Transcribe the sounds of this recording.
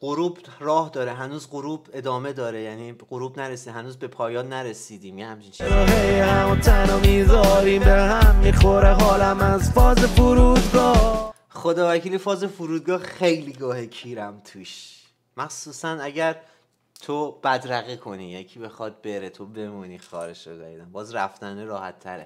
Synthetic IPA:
ɢ̥oɾuːbrɒːhd̪ɒːɾeɦænuːzɢoɾuːbe̞d̪ɒːme̞d̪ɒːɾejæniːɢoɾuːbnæɾesiːd̪hænuːzbe̞pʰɒːjɒːnːæɾesiːd̪iːmjehæmt͡ʃʰint͡ʃʰeɾɒɦejhæmot̪ʰænomizɒːɾiːmbehæmːiːxoɾeɦɒːlæmæzfɒːzefuɾuːd̪ɡɒː | χo̞d̪ɒːvæcʰiːlifɒːzefuɾuːd̪̚ɡɒːxejliːɡɒːhecʰiːɾæmt̪ʰuːʃ | mæxsuːsænæɟæɾ | t̪ʰob̥æd̪ɾæɣikʰo̞nḭjecʰiːbe̞xɒd̪̚beɾet̪ʰobe̞muniːxɒ̰ːɾeʃozæ̰id̪æmbɒːzɾæ̰ft̪æneɾɒːhæ̰t̪ʰːæ̰ɾḛ

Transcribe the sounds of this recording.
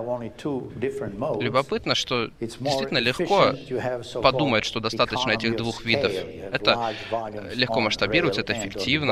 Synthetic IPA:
õnitʰudɪfə̃nlʲʊbɐpɨt̪nəʂt̪o̞ddɪsʲitʲɪlnːəlʲɪxko | pɐd̪uməjt̪ʂt̪o̞d̪ɐst̪at̪ət͡ɕnəɛtʲɪɣd̪vuxvʲid̪əf | ɛt̪ə | lʲɪxko̞məʂt̪ɐbʲiɾəvətʲɛt̪əɪfʲɪktʲivnə

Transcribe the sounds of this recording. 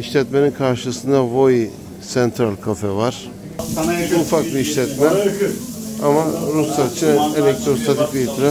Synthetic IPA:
iʃlʲɛt̪me̞ninkʰaɾʃɯsɯnd̪avoj | sɛnt̪ʰɾalʲkʰofɛvaɾ̥ | ufakbiːʃlʲɛt̪mɛ | amaɾusat͡ʃʰɯelʲɛc̚t̪ɾost̪at̪ʰikiit̪ʰɾɛ

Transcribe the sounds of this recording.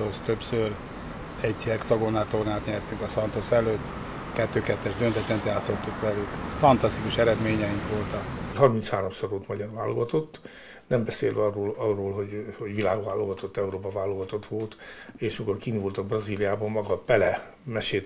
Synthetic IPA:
ost̪øpsør | ɛɟhɛksɒɡonaːt̪ornaːt̪ɲɛrt̪yŋkɒsɒnt̪osɛløːt̪ː | kɛt̪ːøːkɛt̪ːɛʒd̪ønt̪ɛt̪ːɛnt̪jaːt̪so̞t̪ːukʋɛlykfɒnt̪ɒst̪ikuʃɛɾɛd̪meːɲɛjiŋkʋo̞lt̪ɒkɦɒrmint̪shaːɾomsoɾolt̪mɒɟɒrʋa̰ːlːoɡɒt̪o̞t̪ː | nɛmbɛseːlʋɒrːoːlɒrːoːlɦo̞ɟho̞ɟʋilaːɡʋaːlːoɡɒt̪ot̪ːɛuɾoːpɒvaːloɡɒt̪o̞t̪ʋo̞lt̪eːʃmiko̞rkiːnvolt̪ɒbrɒziːlijaːbɒmmɒɡɒpɛlɛ | mɛʃeːt̪

